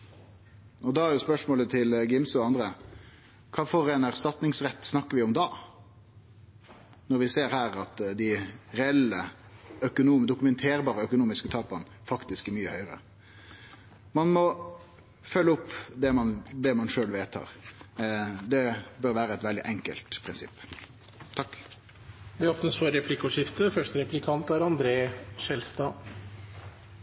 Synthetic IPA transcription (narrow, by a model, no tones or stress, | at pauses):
ɔd̪ɑæɾjʊspœʂmoːlət̪ʰɪlɡɪmsɔɑnd̪ɾə | kʰɑːfɔɾɛːnæʁst̪ɑt̪nɪŋsɾɛt̪ːsnɑkːəɾʋɪɔmd̪ɑː | nɔɾʋɪseːɾhæːɾɑt̪d̪ɪɾɛɛlːəœkʊnuːmd̪ʊkʉmɛnt̪ʰeːɾbɑːɾəœkʊnuːmɪskət̪ʰɑːpɑn | fɑkt̪ɪskæɾmyːəhœʏɾə̰ | mɑnmɔ | fœlːəʊpːd̪ɛmɑnd̪ɛmɑnʂøːlʋeːt̪hɑ̰ːʁ | d̪ɛbœɾʋæːɾəɛt̪ʋɛld̪ɪʔɛŋkə̰lt̪pʰɾɪnsɪ̰pː | t̪ʰɑkː | d̪ɛoːpnəsfɔɾɾɛpʰlɪkʊʂɪft̪əfœʂʈəɾɛplɪkʰɑnt̪æɾɑnd̪ɾeːʂɛlst̪ɑː